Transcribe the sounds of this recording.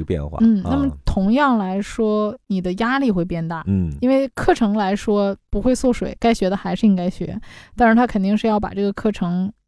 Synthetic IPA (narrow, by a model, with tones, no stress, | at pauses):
ə˧pjɛ̰˥˧nxwa̰˥˧n̩˧˥˩na˥˩mə˩t̪ʰʊ˧˥ŋjɑ˥˩ŋla˧˥ɪʂwɔ˥ni˨˩d̪ə˦ja˥li˥˧xwe˥˧ɪpjɛ˥˧nt̪a˥˩˥i˥nwe˥˩˧ɪkʰɤ˥˩ʈ͡ʂʰɤ˧˥ŋla˧˥ɪʂwɔ˥pu˧˥xwe˥˧ɪso˥˩ʊʂwe˨˩˦ɪka˥ɪɕɥɛ˧˥d̪ə˧xa˧˥ɪʂɻ̩˥˩˧i˥ŋka˥ɪɕɥɛ̰˧˥t̪a˥˧nɻa˧nt̪ʰa˥kʰə˨˩nt̪i˥˧ŋʂɻ̩˥˧jɑ˥˩ʊpa̰˨˩ʈ͡ʂɤ˥˩ɡə˩kʰɤ˥˩ʈ͡ʂʰɤ˧˥ŋ